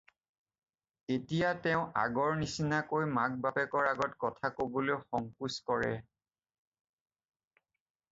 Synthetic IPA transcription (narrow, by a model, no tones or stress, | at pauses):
etijatɛʊ̃a̰ɡɔɹnisinakojmak̚bapɛkɔɹaɡɔtkɔtʰakoboloxɔŋkuskɔɹɛ̰